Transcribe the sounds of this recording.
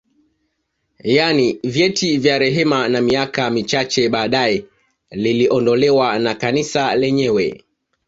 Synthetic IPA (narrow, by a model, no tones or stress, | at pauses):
janivjɛtʰivjaɾɛɦɛmanamiakamit͡ʃat͡ʃɛɓaːɗaɛ | liliʔɔndɔlɛwanakanisalɛɲɛwɛ̰